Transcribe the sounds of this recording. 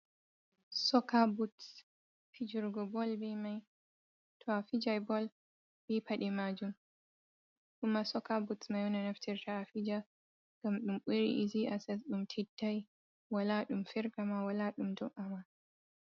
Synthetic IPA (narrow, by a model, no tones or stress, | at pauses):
sɔkabuts | fid͡ʒuɾɡɔbɔlbɛmaj | tʰɔafid͡ʒajbɔl | bɛpʰaɗɛmad͡ʒum | ɗumasɔkabutsmajwɔnanaftʰiɾtʰaːfid͡ʒa | ŋɡ̥amɗumɓuɾḭʔiziʔasɛsɗumtʰɛdːaj | walaɗumfɛɾɡamawalaɗumdɔmʔama